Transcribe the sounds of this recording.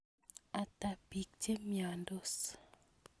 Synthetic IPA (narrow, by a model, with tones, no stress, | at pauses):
a˨ta˨b̥i˨k̚te˦mja˨ndo˦s